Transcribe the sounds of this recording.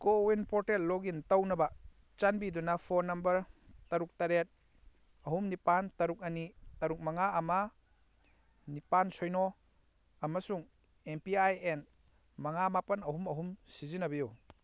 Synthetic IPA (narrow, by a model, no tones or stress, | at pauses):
kowinpoɾtelloɡintɐwnɐbɐ | t͡ʃanbidunɐpʰoɾnɐmbɐɾtɐɾuk̚tɐɾet̚ | ɐɦumnipantɐɾuk̚ɐnitɐɾuk̚mɐŋaɐmɐ | nipansojno | ɐmɐsuŋ | empiajen | mɐŋamapɐnɐɦumɐɦumsizinɐbiju